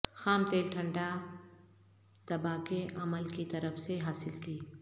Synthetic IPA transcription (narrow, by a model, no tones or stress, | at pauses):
xaːmt̪eːlʈʰɐ̃ɳɖa | d̪̥ɐbaːkeʔɐməlkit̪ɐɾəfseɦaːsɪlkiː